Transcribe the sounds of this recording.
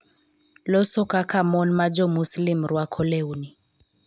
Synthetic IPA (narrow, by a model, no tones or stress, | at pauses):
lɔsɔkakamɔnmad͡ʒɔmuslimɾwakʰɔlɛuni